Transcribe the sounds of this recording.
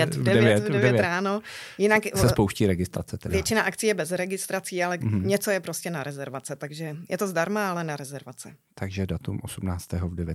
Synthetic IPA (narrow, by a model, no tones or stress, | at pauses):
jɛt̪vdɛɛvɛdɛvɛɛvɾaːno̞jɪnaksɛspowʃciːɾɛɡɪst̪ɾa̰t͡sɛt̪ɛvjɛt͡ʃɪnaʔakt͡siːjɛbɛzɾɛɡɪst̪ɾat͡siːalɛɲɛt͡sojɛpɾoscɛnaɾɛzɛɾvat͡sɛt̪aɡʒɛjɛt̪ozdaɾmaalɛnaɾɛzɛɾvat͡sɛt̪aɡʒɛdat̪umʔosumnaːt͡st̪ɛːɦovdɛvjɛ